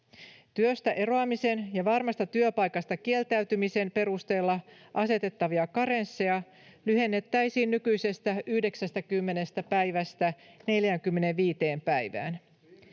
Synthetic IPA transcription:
t̪yøst̪æʔe̞ɾo̞ɑmise̞njɑʋɑrmɑst̪ɑt̪yøpɑjkɑst̪ɑkie̞lt̪æyt̪ymise̞mpe̞ɾust̪e̞ːlːɑ | ʔɑse̞t̪e̞t̪ːɑʋiɑkɑɾe̞nsːejɑ | lyhe̞nːe̞t̪ːæjsiːnːykyjse̞st̪æyhde̞ksæst̪ækymːe̞ne̞st̪æpæjʋæst̪æne̞ljæŋkymːe̞ne̞ʋʋiːt̪e̞ːmpæjʋæ̰ːn

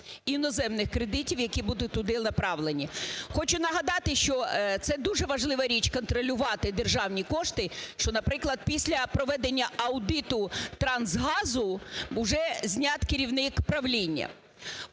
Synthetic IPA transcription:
inɔzɛmnɪxkɾed̪ɪtʲiwjɐkʲibud̪ʊt̪ʊd̪ɪnɐpɾɑʋlˠenʲixɔt͡ʃʊnɐɦɐd̪ɑt̪ɪʃt͡ʃɔt̪sɛd̪uʒɛʋɐʒlˠɪʋɐɾʲit͡ʃʲkɔnt̪ɾɔlʲʊʋɑt̪ɪd̪erʒɑwnʲikɔʂt̪ɪʃt͡ʃɔnɐpɾɪklˠɐd̪̚pʲisʲlʲɐpɾɔʋɛd̪enʲːɐɐwd̪ɪt̪ʊt̪ɾɑnzɦɑzʊʊʒɛzʲnʲɑt̪keɾʲiwnɪkpɾɐʋlʲinʲːɐ̰

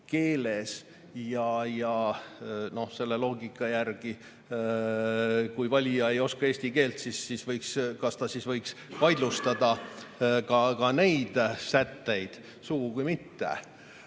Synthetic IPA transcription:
ke̞ːle̞s | jɑjɑ | no̞hse̞lːelo̞ːɡikːˑɑjærɡ̥i | kujvɑlʲijɑe̞jo̞skɑeːsʲt̪ike̞ːlt̪sisːisvɤjkskɑst̪ɑsisvɤjkspɑjd̪lust̪ɑd̪̥ɑ | kɑkɑne̞jd̪̥sæt̪ːe̞jd̪̥ | suɡukujmit̪ːḛ

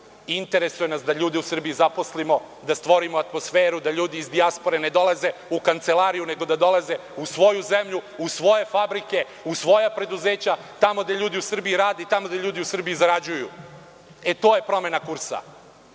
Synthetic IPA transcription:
int̪e̞ɾe̞sujenasd̪aʎuːd̪iusr̩bijizapo̞slimo̞ | d̪ast̪ʋo̞ɾimoat̪mo̞sfeːɾud̪aʎuːd̪iːzd̪iaspo̞ɾe̞ne̞d̪o̞lˠaze̞ukant̪se̞laːɾijune̞ɡo̞d̪ad̪o̞lˠaze̞usʋo̞juze̞mʎuusʋo̞je̞fabɾike̞ | usʋo̞japɾe̞d̪uzeːt͡ɕat̪amo̞ɡd̪e̞ʎuːd̪iusr̩biiɾaːd̪et̪amod̪eʎʲuːd̪iusr̩bijizaɾad͡ʑujṵ | e̞t̪o̞ːje̞pɾo̞me̞nakuɾsa̰

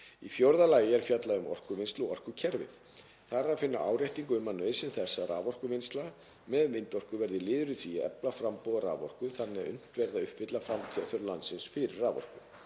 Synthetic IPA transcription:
ḭfjowɾðalaːjɪɛɾ̥fjat̪laʏmɔ̰r̥kʏvɪnst̪lɔɔr̥kʏcʰɛɾvɪ̰θ | θaraðfɪnːa̰ʔa̰ːwɾrajht̪iŋkʏmːanːœːɥsɪnθɛsːaɾaːvɔr̥kʏmɪnst̪la | mɛðmɪjnt̪ɔr̥kʏvɛɾðɪlɪːðʏɾʏθviaɛ̰plafɾampɔðaɾa̰ːvɔr̥kʏθanːɛʏ̰n̥t̪vɛɾðaʏhpvɪt̪lafɾamt̪ʰjœθœɾlant̪sɪnsfɪɾɪrːaːvɔ̰r̥kʏ

